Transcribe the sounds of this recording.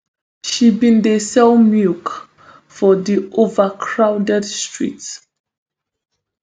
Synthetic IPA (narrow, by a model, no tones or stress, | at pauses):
ʃibĩnd̪əsɛlmjuk | fɔðiʔovəkʰɹawdɛdstʰɹḭts